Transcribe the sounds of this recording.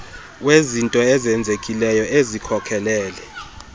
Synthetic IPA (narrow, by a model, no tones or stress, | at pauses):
wezintʼɔɛzɛnd͡zʱekʼilɛjɔʔezikʰɔkʰɛlɛːlɛ